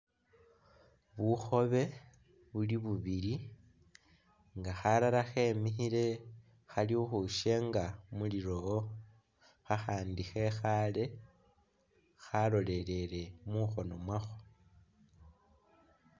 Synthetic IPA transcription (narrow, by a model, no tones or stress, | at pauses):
βuxo̞βe̞ | βuliβuβiɾi | ŋɡaxalalaxe̞ːmixiɾe̞ | xaliuxuʃe̞ŋɡamuliɾo̞o | xaxaːndixe̞xale̞ | xalo̞le̞ɾe̞ɾe̞muxo̞no̞mwaxo̥